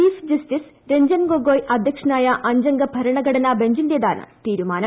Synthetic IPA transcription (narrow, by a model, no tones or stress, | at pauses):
iːfd͡ʑɐstis | ɾeɲd͡ʑɐnɡoɡoːjʔɐd̪ʱjɐkʂɐnaːjɐʔɐɲd͡ʑɐŋɡɐbʱɐɾɐɳɐɡʱɐɽɐnabeɲd͡ʑund̪jed̪aːnɨ̰t̪iːɾumaːnɐ